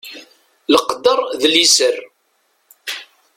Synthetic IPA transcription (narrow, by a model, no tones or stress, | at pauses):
ləqd̪əɾˤðlisər